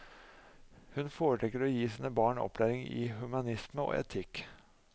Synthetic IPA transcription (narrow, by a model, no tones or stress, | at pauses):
hʉnfoːɾəʈʰɛːkːəɾɔjiːsiːnəbɑːɳɔ̰plæːɾɪŋɪ̰ːhʉmɑnɪsməo̰ːɛ̰t̪ʰɪk